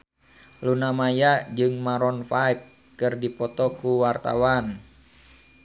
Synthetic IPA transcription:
lunamajad͡ʒɨŋmaɾɔnfajp̚ | kɨrdipɔt̪ɔkuwart̪a̰wan

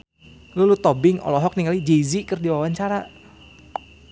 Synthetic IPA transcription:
lulut̪ɔbɪŋɔ̰lɔɦɔk̚niŋalid͡ʒezikɨrdiwawaɲt͡ʃaɾa

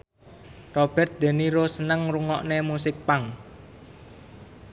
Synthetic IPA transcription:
rɔb̥ɛrt̪̚d̪̥e̤niɾosənəŋruŋɔʔnemusɪk̚paŋ

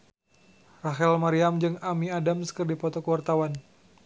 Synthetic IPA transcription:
raɦɛlmaɾiamd͡ʒɨŋamiadamsə̥kərdipɔt̪ɔkəwart̪awan

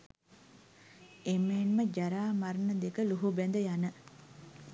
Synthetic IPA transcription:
emːeːnməd͡ʒæɾaːmaɾənəd̪ekəluɦubænd̪əjanə

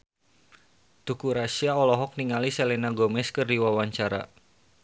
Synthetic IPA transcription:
t̪ukuɾasiaɔlɔɦɔk̚niŋalisɛlɛnaɡɔmɛskɨrdiwawaɲt͡ʃaɾa̰

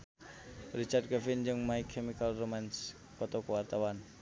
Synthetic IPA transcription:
rit͡ʃard̚kəfɪnd͡ʒɨŋmaikʰemikalromans | kɔt̪ɔkəwart̪awan

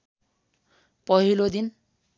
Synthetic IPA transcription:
pʌɦilod̪in

